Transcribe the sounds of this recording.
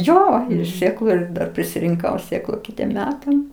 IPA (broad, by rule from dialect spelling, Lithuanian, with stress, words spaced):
ˈjoː ɪr ˈsʲeːklˠʊ ɪr ˈdɐr pʲrʲɪsʲɪrʲɪŋˈkɐʊ ˈsʲeːklˠʊ ˈkʲɪtʲiɛm ˈmʲæːtɐm